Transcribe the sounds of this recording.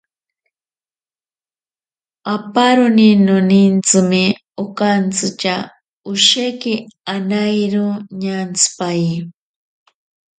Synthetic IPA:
apaɾoninonint͡sɨme | okant͡sɨt͡ʃa | ʊʃekianajɾoɲant͡sʰɨ̥paji

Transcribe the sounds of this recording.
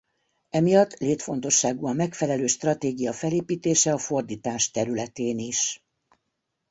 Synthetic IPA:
ɛmijɒt̪ːleːt̪fo̞nt̪o̞ʃːaːɡuɒmːɛkfɛlɛløːʃt̪rɒt̪eːɡijɒfɛleːpiːt̪eːʃɛɒfo̞rd̪iːt̪aːʃt̪ɛɾylɛt̪eːniʃ

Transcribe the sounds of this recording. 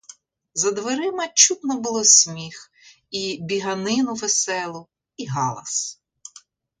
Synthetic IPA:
zɐd̪ʋeɾɪmɐt͡ʃut̪nɔbʊlˠɔsʲmʲix | ibʲiɦɐnɪnʊʋesɛlˠʊ | iɦɑlˠɐ̰s

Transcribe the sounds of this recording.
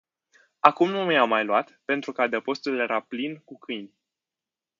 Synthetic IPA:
akumnumjamːajluat̪pe̞nt̪ɾukad̪əpo̞st̪ulje̞ɾʔaplinkukʰɨjnʲ

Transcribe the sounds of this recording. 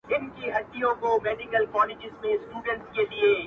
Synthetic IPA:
ɪnkiɦɐʈːijõkomeːɖɪkəlkɔːlɪd͡ʒɪzmẽsʈuːɖə̃ɳʈked̪ieː

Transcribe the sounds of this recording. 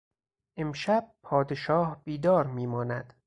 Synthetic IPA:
ʔemʃæb̥̚pʰɒːd̪eʃɒːhb̥iːd̪ɒːɾmiːmɒːnæd̪̥

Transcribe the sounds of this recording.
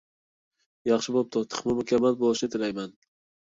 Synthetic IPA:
jɑχʃɪbop̚t̪ʰot̪ʰɨ̥χmʊmʊkʲʰamal̚bolˠɪʃɪt̪ʰɪlajman

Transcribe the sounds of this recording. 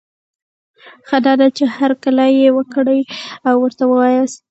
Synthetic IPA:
xəd̪ɑd̪at͡ʃehaɾkəlajewəkɽəjawːəɾt̪awəwɑjəst̪

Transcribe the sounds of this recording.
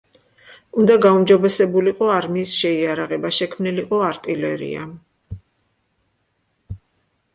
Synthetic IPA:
und̪aɡaumd͡ʒɔbɛsɛbuliqʼɔaɾmiːsʃɛiaɾaʁɛbaʃɛkʰmniliqʼɔaɾt̪ʼilɛɾḭa̰

